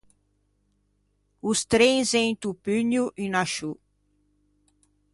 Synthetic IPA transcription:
ʊst̪ɾẽj̃zẽj̃t̪upyɲjuʔinaʃu

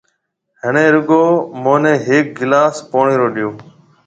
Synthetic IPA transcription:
ɦənẽːɾʊɠoːmoːnẽːɦeːk̚ɡɪlaːspoːɳeːɾoːɗijoː

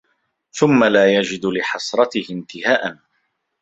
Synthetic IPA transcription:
θʊmːalaːjad͡ʒɪd̪lɪħɑsˤɾˤɑt̪ɪhɪnt̪ɪhaːʔan

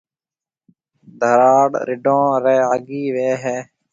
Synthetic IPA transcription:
d̪ʱəɾaːɽɾɪɖõːɾeːaːɡiːʋeːɦeː

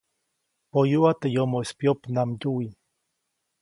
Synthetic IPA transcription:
pojuat̪ejomoespjopnamɟui

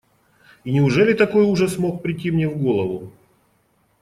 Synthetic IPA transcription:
inʲɪʊʐɛlʲɪt̪ɐko̞juʐəsmo̞k̚pɾʲɪtʲːimnʲevɡo̞lˠəvʊ

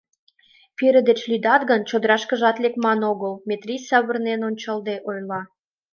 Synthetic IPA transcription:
peɾə̆d̪et͡ɕlyd̪ɑt̪ɡənt͡ɕod̪əɾɑʃkə̆ʒɑt̪lekmɑnoɣəlmet̪rʲisɑβərnenonʲt͡ɕɑld̪eʔojlɑ

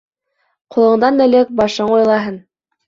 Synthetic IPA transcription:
qulˠɤ̆ɴd̪ɑnmɘ̆lɘk̚bɑʃɤɴujlˠɑɦɤn

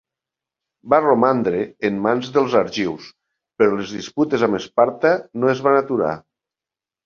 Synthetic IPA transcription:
baromand̪ɾeːmːanzðelˠzaɾʒiws | peɾɔlezðisput̪ezamespaɾt̪anoezβanat̪uɾa̰

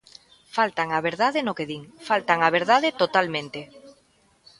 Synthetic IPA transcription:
falt̪aŋaβeɾðaðɪnokeðiŋfalt̪aŋaβ̞eɾðaðɪt̪ot̪almẽnt̪e

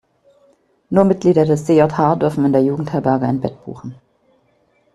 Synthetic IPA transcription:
nuːɐmɪt̚ɡ̥liːɾɐdɛsz̥eːɔthaːɐdʏɐfn̩ɪndeːɐjuːɡŋ̩thɛɐbɛɐɡɐaɪnbɛ̰t̚b̥ṵːxn̩

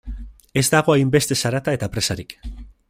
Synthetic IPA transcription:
e̞zd̪aɣ̞o̞ajmbe̞st̪e̞saɾat̪aet̪apɾe̞saɾik

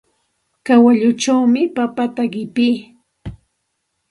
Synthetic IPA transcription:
kawaʎʊt͡ʃawmɪpapat̪aɢɪpiː

